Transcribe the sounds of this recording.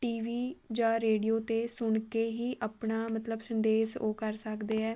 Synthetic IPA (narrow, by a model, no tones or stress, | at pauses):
ʈiːʋiːd͡ʒaːɾeːɖijoːt̪eːsʊɳkeːɦiːʔəpɳaːmət̪ləbsənd̪eːsoːkəɾsəkd̪eːɛː